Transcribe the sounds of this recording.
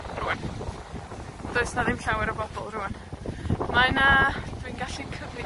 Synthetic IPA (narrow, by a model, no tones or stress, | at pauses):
ruwɛn | d̥oɨsnaðɪmɬawɛɾəbɔbɔlˠruːɛn | manad̥ʰwinɡaɬikʰəvɪ